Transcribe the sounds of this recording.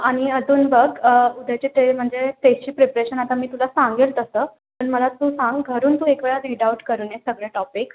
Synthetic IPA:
aɽ̃iəd͡z̪uːnbəɡud̪ʱajt͡ɕet̪em̤əɳd͡zet̪eɕiːpɾepɾeɕənat̪amiːt̪ulasaŋɡelt̪əsəː | pəɳməlat̪uːsãŋɡɡʱəɾuːnt̪uːekʋeɭaɾiɖauʈkəɾuːnesəɡɭeʈɔpik

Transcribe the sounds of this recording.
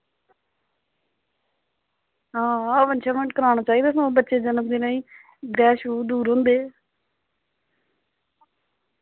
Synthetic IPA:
ɦãːaːʋənt͡ʃʰaːməɳʈkəɾaːɽ̃aːt͡ʃaːiːd̪aːsãbətːʃeːd͡ʒənəmd̪eːnaːĩː | ɡɾɛːʃuːd̪uːɾɦʊ̃ːnd̪eː

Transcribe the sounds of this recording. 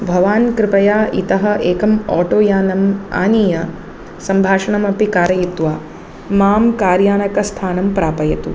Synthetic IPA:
bʱɐʋaːnkɾɪpɐjaːit̪ɐɦɐ̆ʔeːkɐmɔːʈoːjaːnɐma̰ːniːjɐ | sɐmbʱaːʂɐɳɐmɐpikaːɾɐjit̪ʋaː | maːmkaːɾjaːnɐkɐst̪ʰaːnɐmpɾaːpɐjɐt̪u

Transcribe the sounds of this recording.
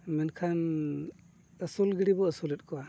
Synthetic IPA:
mɛnkʰan | əsulɡiɽibɔəsulɛt̚kɔwa

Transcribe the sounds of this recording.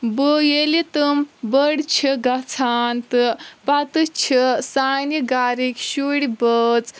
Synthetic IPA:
bojelit̪ɨmbəɽt͡ʃʰiɡat͡sʰaːnt̪ɨpat̪ɨt͡ʃʰisaniɡaːɾikɕuɽibət͡s

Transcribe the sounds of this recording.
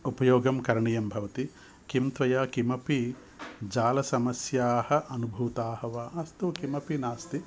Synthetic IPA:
upɐjoːɡɐmkɐɾɐɳijɐmbʱɐʋɐt̪i | kimt̪ʋɐjaːkimɐpi | d͡ʒaːlɐsɐmɐsjaːhɐ̆ʔɐnubʱuːt̪aːhɐʋaːɐst̪ukimɐpinaːst̪i

